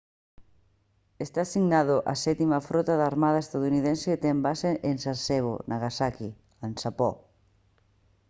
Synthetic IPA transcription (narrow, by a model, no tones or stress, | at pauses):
est̪asiɣnað̞ʊʔa̰sɛt̪imafɾɔt̪aðaːɾmaðɐest̪aðuniðẽnset̪ɛmbaseʔensaseβ̞o̰nʔaɣasaki | ansapɔ̰